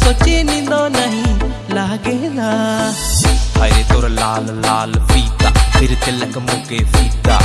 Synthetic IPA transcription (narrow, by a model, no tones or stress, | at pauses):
sot͡ʃenĩd̪oːnɐɦĩ | laɡela | ajɾet̪oɾlaːllaːlpiːt̪aːpʰɪɾt̪elɐkmokepiːd̪a